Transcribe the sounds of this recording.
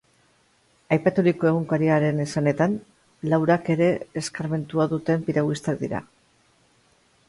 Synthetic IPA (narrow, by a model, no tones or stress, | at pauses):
ajpat̪uɾiko̞e̞ɣ̞uŋkaɾiaɾe̞nesane̞t̪an | lawɾake̞ɾe̞eskaɾme̞nt̪uaðut̪e̞mpiɾaɣist̪ak̚d̪ḭɾa̰